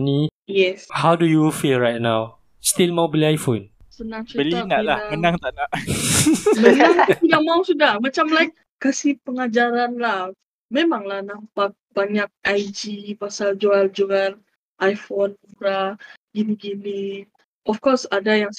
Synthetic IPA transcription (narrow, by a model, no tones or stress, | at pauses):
nijɛshawdujufilɹajt̚naw | st̪ilmawbiliajfõn | sənãŋsubəlinaʔlahamənaŋt̪aʔnaʔ | mənaŋt̪idak̚mawsudahmat͡ʃamlajk̚ | kasipəŋad͡ʒaɾanlah | mẽmãŋlahnampak̚b̥aɲak̚ʔajd͡ʒipasald͡ʒuald͡ʒual | ʔajfonuɾaɡiniɡini | ʔɔfkɔsadajaŋ